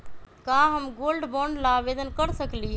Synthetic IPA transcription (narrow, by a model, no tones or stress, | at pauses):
kaɦəmɡolɖbɔɳɖlaːʋed̪ənkəɾsəkliɦ